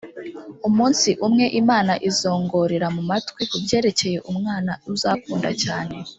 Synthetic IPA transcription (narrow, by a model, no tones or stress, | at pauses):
umuːnsiʔumŋe̞ʔimaːnaʔizo̞ːŋɡo̞ɾeɾamumatwikubɟe̞ːɾe̞ce̞je̞ʔumŋaːnauzaːkuːnda̰caːne̞